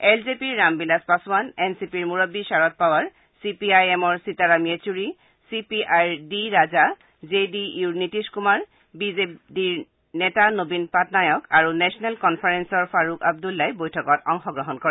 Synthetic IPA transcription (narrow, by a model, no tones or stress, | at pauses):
ɛlzepiɹːambilaspasumanɛnsipiɹmuɹɔbːisaɹɔt̚pawaɹ | sipiajɛmɔɹsitaɹametuɹi | sipiʔajɹdiɹaza | zedijuɹnitiskumaɹ | bizepdiɹ | nɛtanobinpatnajɔkaɹunɛsɔnɛlkɔnpʰaɹensɔɹpʰaɹukab̚dulːajbojtʰɔkɔtɔŋxɔɡɹɔɦɔnkɔɹɛ